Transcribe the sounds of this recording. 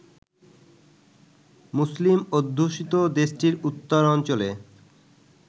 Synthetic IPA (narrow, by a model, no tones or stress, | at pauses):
muslimod̪ʱːuʃit̪od̪eʃʈiɾut̪ːoɾɔnt͡ɕole